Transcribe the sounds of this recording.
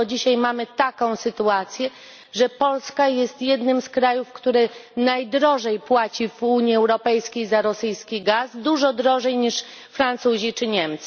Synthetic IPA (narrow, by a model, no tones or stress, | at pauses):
ɔd͡ʑiɕajmamɘt̪akɔ̃w̃sɘt̪uat̪sʲjɛ | ʐɛpɔlskajɛst̪jɛd̪nɘmskɾajufkt̪uɾɘnajd̪ɾɔʐɛjpwat͡ɕivuɲiɛwɾɔpɛjskʲejzaɾɔsɘjskʲiɡasd̪uʐɔd̪ɾɔʐɛjɲiʂ | fɾant̪suʑit͡ʂɘɲɛmt̪s